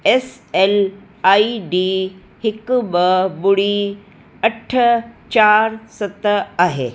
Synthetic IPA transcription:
es | el | aiɖi | hikbəbuɽi | əʈʰət͡ɕaɾsət̪əaɦḛ

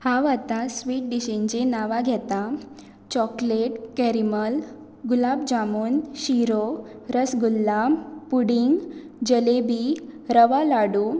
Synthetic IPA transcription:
hãʋat̪ãsʋiːʈ̚ɖiɕẽɲd͡ʑenaʋaɡʱɛt̪a | t͡ɕɔkleʈkɛɾiməl | ɡulabd͡ʑamuːnɕiɾo | ɾəsɡulːapuɽiŋɡ | d͡ʑəlebiɾəʋalaɽu

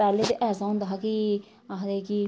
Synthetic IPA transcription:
ɛːleːt̪eʔɛːsãːɦʊ̃nd̪aːɦaki | aɦd̪eːki

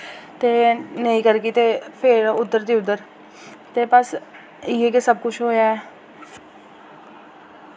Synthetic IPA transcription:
t̪eːnəĩːkəɾɡit̪eːpʰɪɾʊd̪ːəɾd̪iːʊd̪əɾ | t̪eːpəs | iːekesəb̚kʊt͡ʃʰɦoːjaːɛː

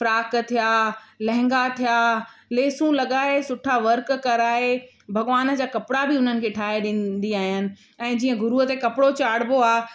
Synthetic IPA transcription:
fɾaːkt̪ʰijaːlɛ̃ɦɪ̃ŋɡat̪ʰijaːleːsũlɐɠaːesʊʈʰaʋɐɾkːɐɾaːe | bʱɐɡʋaːn̆d͡ʑaːkɐpɪɽabɪʊn̤ənɪ̆kʰeːʈʰaːɦeɗĩːnd̪iaːɦijənɪ̆ | ɛ̃ːd͡ʑiːə̃ɡʱʊɾuət̪ekɐpɪɽot͡ɕaːɽ̤boaːɦ

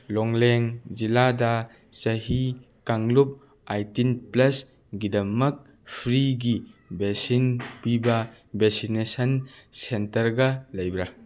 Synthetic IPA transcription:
lɔŋleŋzilada | sɐɦi | kaŋlup̚ | ajtinplɐs | ɡidɐmɐk̚ | pʰɾiɡibesinpiba | besinesɐnsentɐɾɡɐlɐjbɾa

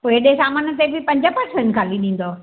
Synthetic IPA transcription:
poːɪɗesaːmaːnət̪̬ebʱɪpɐ̃ɲd͡ʑəpɐɾsẽnʈkʰaːliɗĩːn̆d̪o

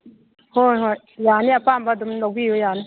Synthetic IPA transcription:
hojɦo | jaːniapaːmbadumlok̚biːjojaːni

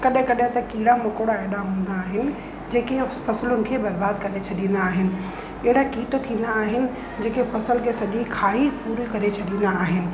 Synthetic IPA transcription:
kɐɗɦɪ̃kɐɗɦɪ̃t̪ɐkiːɽamʊkoɽaeːɽaɦũːn̆d̪aːɦɪnɪ̆ | d͡ʑeːkepɐsɪlʊnɪ̆kʰeːbɐɾbaːd̪kɐɾet͡ʃʰɐɗĩːnd̪aːɦɪnɪ̆ | ɛɦɪɽakiːʈt̪ʰĩːn̆d̪aːɦɪnɪ̆ | d͡ʑeːkefɐsəlkʰesɐʄikʰaːipuːɾikɐɾet͡ʃʰɐɗĩːn̆d̪aːɦɪnɪ̆

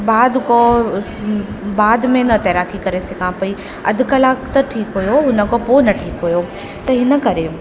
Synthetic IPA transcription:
baːd̪ko | baːd̪mẽnɐt̪ɐɾaːkikɐɾesɐɡʰʱãːpɐi | ɐ̰d̪ʱkɐlaːkt̪ɐʈʰiːkɦujoɦʊnə̆koponɐʈʰiːkɦujo | t̪ɐɦɪnəkɐɾe

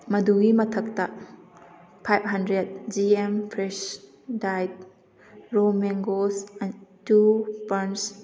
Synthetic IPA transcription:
mɐduɡimɐtʰɐk̚ta | pʰajb̚ɦɐndɾed̚d͡ʒiempʰɾɛs | dajt̚ | ɾomɛŋɡosantupɐns

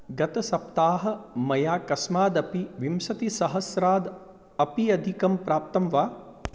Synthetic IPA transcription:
ɡɐt̪ɐsɐp̚t̪aːɦɐ̆mɐjaːkɐsmaːd̪ɐpiʋimsɐt̪isɐɦɐsɾaːd̪ | ɐpiɐd̪ʱikɐmpɾaːp̚t̪ɐmʋaː

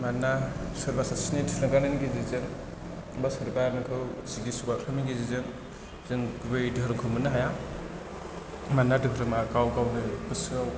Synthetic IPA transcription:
manasɯɾbasasinidipʰɾaŋkanɯnɡizizɯŋ | basɯɾbaɾnɯkʰɯwziɡisuɡalʰamiɡizizɯŋ | zɯŋɡubejdɯɦɾɯkʰɯmɯnɯɦaja | manːadɯɦɾɯmakawɡawnɯpɯsɯaw

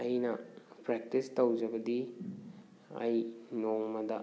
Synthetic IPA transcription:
ɐjnɐpɾek̚tistɐwd͡ʒɐbɐdi | ɐ̰jnoŋmɐdɐ

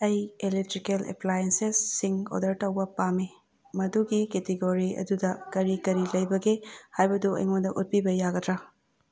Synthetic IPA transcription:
ɐjelek̚tɾikelḛplajensesːiŋo̰dɐɾtɐwbɐpame | mɐduɡiketeɡoɾiɐ̰dudɐkɐɾikɐɾilɐjbɐɡehajbɐduɐ̰jŋondɐʔut̚pibɐjaɡɐtɾa

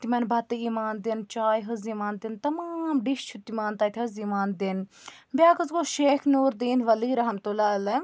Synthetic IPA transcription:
t̪imɐnbʱɐt̪iːmaːnd̪int͡ʃaːjɦɐziːmaːnd̪ɪnt̪ɐmaːmɖiʃt͡ʃʰut̪imaːnt̪aːt̪ʲʰɐzimaːnd̪ɪn | bʲjaːkɐzɡoʃeːkʰnuːɾd̪iːnʋɐliːɾɐɦɐmt̪ulaːɐle

